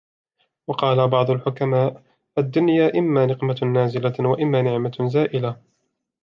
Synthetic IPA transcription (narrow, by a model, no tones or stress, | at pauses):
wɑqɑːlabɑʕd̪ˤʊlħʊkamaːʔ | ʔad̪ːʊnjaːʔɪmːaːnɪqmanaːzɪlawaʔɪmːaːnɪʕmazaːʔɪla